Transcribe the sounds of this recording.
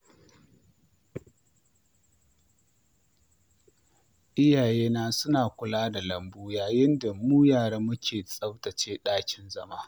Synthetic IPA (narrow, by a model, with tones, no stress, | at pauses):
ʔɪ˦jaː˨jeː˦naː˦sʊ˦naː˨kʷʊ˨laː˦da˨lɐ˨mbuː˦jaː˨jɪ˦nda˨muː˦jaː˨ɽa˦mːʊ˦kʲʰeː˨sʼɐ˦wtɐ˨t͡ʃeː˦ɗaː˦kʲɪ˦nzɐ˦maː˦